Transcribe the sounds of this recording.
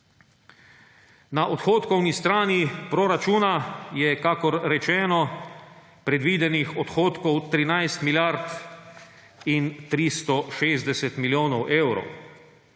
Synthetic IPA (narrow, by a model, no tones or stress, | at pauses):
naʔɔt̪xoːt̪kɔwnist̪ɾaːnipɾɔɾat͡ʃuːnajɛkakɔɾɾɛt͡ʃɛːnɔ | pɾɛd̪ʋiːd̪ɛnixɔt̪xoːt̪kɔwt̪ɾinajst̪miljaɾt̪ | int̪ɾist̪ɔʃeːzd̪ɛsɛt̪miljoːnɔwʔewɾɔ̰w